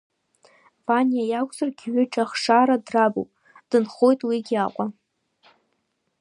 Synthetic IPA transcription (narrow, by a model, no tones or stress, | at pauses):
b̥anijajakʷʰʼzarɡʲɥʏʈ͡ʂʼaχʂaɾadrabo̰pʼ | d̥ɨnχo̞jtʼwiɡʲaqʷʼa